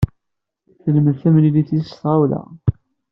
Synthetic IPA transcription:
θəlməðθæmliliθist̪ʁawlæ̰

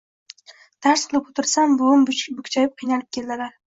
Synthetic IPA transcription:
d̪̥ʰaɾsqʰɨlˠɪpot̪ʰɪɾsambʊʊmbʊkʲt͡ʃʰajɪp̚qʰɨjnalɪp̚kʲʰe̞ld̪ɪlaɾ

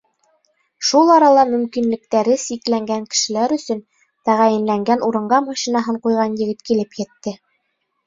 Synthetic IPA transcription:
ʃulˠɑɾɑlˠɑmɵ̆mkinlɘ̆k̚t̪æɾɘsiklæŋɡæŋkɘ̥̆ʃɘ̆læɾɵ̆sɵn | t̪æʁæjɘ̆nlæŋɡænuɾɤ̆ɴɢɑmɑʃinɑɦɤɴqujʁɑnjɘ̆ɡɘt̪kilɘpjɘ̆t̪ːɘ

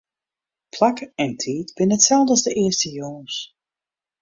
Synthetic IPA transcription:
pʰlakɛntʰiːtb̥ɪnətsɛlˠdəzdəʔɪəstəjoŋəns

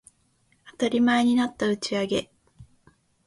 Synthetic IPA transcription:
at̪aɾʲimae̞ɲ̟inat̪ːaɯ̟t͡ɕiaɡe̞

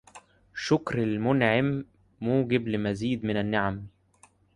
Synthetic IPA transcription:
ʃʊkɾalmʊnʕɪmː | uːɡɪblɪmæziːd̪mɪnænːaʕam

